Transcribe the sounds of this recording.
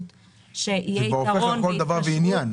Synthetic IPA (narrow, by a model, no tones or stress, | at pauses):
t̪ | ʃeʔijeoeokold̪avaʁveinjan